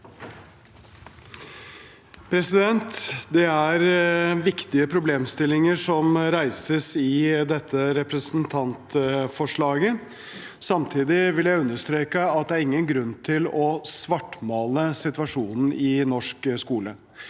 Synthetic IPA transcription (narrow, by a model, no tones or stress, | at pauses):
pʰɾɛsɪd̪ɛnt̪d̪ɛæɾʋɪkt̪ɪəpʰɾʊbleːmst̪ɪlɪŋəʂɔmɾæɪsəsɪd̪ɛt̪ʰːəɾɛpɾɛsn̩t̪ʰɑnt̪fɔʂɭɑːɡə | sɑmt̪ʰiːd̪ɪʋɪljæɪʉnːəʂt̪ɾeːkəɑt̪d̪ɛæɾɪŋːənɡɾʉnːt̪ʰɪlɔsʋɑʈːmɑːləsɪt̪ʋɑʂuːnn̩ʔɪnɔʂkskuːlə̰